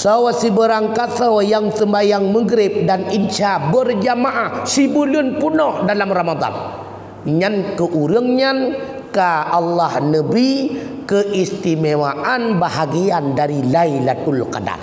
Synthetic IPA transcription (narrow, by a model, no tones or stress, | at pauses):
sawasibəɾaŋkat̪awjaŋsəmbajaŋməɡɾɪp̚danint͡ʃabərd͡ʒamaʔahsibulunpunɔhdalamramad̪a̰n | ɲankəʔuɾəŋɲan | kaʔalːahnəbikəʔist̪imewaʔanbaɦaɡiandaɾilailat̪ulka̰da̰r